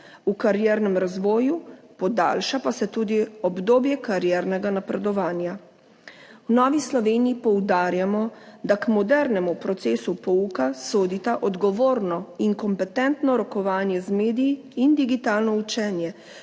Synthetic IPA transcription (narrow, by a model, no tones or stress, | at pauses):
ukaɾjɛɾnɛmɾazʋɔːjupɔd̪a̰ːlʃapasɛt̪uːd̪iɔbd̪oːbjɛkaɾjɛːɾnɛɡanapɾɛd̪ɔʋaːnja | wnɔːʋislɔʋeːnijipɔwd̪aːɾjamɔd̪akmɔd̪ɛɾnɛmupɾɔt̪seːsupɔukasoːd̪it̪aʔɔd̪ɡɔʋoːɾnɔiŋkɔmpɛt̪ɛnt̪nɔɾɔkɔʋaːnjɛzmeːd̪iji | ind̪iɡit̪aːlnɔut͡ʃɛnjɛ